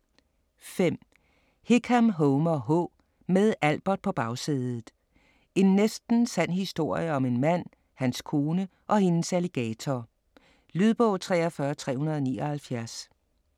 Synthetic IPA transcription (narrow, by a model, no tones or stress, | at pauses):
fem̰ | hekʰæmɦɔʊmɐɦɔ̰ | meðˠæl̰b̥ɐ̥pʰɒ̽b̥ɑ̈ʊsiðˠð̩ˠ | e̝nːesd̥n̩sæn̰hisd̥o̝ɐ̰jəɒ̽me̝nmæn̰ | hænskʰo̝ːnəʔɒ̽he̝nəsæliɡ̥ɛːt͡sʰɒ | lyð̞ˠb̥ɔ̽ʊt͡sʰʁɛ̰ːɒfɶːɐt͡sʰʁɛ̰ːhunɐð̞̩ˠɒ̽nḭːɒ̽hælfjæɐs